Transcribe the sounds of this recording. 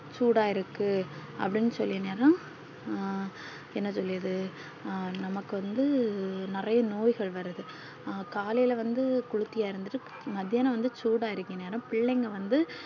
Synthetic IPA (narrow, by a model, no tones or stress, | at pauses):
t͡ʃuːɽaːjɪɾɯkːɯɐ̰pːɐɽɪnːɯsɔlːɪɐneːɾɐ̃m | ɛnːɐsɔlːɪɾɐðɯ | nɐmɐkːɯʋɐnd̪ɯnɪrɐjɐnoːjɣɐɭʋɐɾɯðɯ | kaːlɐjɪlɐʋɐnd̪ɯkʊɻɯt̪ːɪjaːɪɾɯnd̪ɯʈːɯ | mɐðɪjaːnɐʋɐnd̪ɯt͡ʃuːɽaːjɪɾɯkːɯŋɐneːɾɐ̃mpɪɭːɛŋɡɐʋɐnd̪ɯ